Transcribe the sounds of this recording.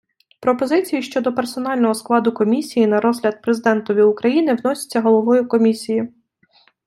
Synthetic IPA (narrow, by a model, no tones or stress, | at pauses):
pɾɔpɔzɪt͡sʲijiʃt͡ʃɔd̪ɔpersɔnɑlʲnɔɦɔsklˠɑd̪ʊkɔmʲisʲijinɐɾɔzɦlʲɐd̪̚pɾezɪd̪ɛnt̪ɔʋʲiʊkɾɐjinɪwnɔsʲɪ̥t͡sʲːɐɦɔlˠɔʋɔjʊkɔmʲisʲiji